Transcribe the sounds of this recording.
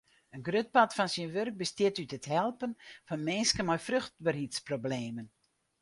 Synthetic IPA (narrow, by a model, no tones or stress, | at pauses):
ənɡrøt̚patfɔnsinʋørk̚bəstɪtytəthɛlˠpənfɔnmɪnskənmɔjfrøxt̚bərhitsprobleːmən